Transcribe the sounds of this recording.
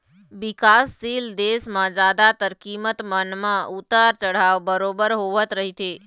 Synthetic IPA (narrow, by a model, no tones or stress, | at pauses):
ʋɪkasːiːld̪esmãd͡ʒaːd̪at̪əɾkiːmət̪mənmãʔʊt̪əɾt͡ʃəɽ̤aʋbəɾoːbəɾɦoːʋət̪ɾəɦit̪ʰe